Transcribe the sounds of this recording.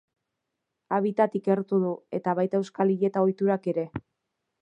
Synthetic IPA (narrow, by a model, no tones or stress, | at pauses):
aβ̞it̪at̪ike̞ɾt̪uðue̞t̪aβajt̪ae̞wskaliɾie̞t̪aojt̪uɾake̞ɾe̞